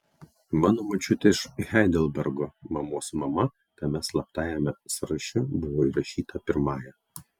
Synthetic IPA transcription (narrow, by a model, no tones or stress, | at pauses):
mɑːnoːmɐt͡ʃʲʊt̪ʲeɪʃxʲɛɪd̪ʲɛlʲˠbʲɛɾɡomɐmoːsmɐmɐ | t̪ɐmʲɛslˠɐpt̪ɑːjɛmʲɛsɾɐʃʲʊbʊʋoːiɾɐʃʲiːt̪ɐpʲɪɾmɑːjɛ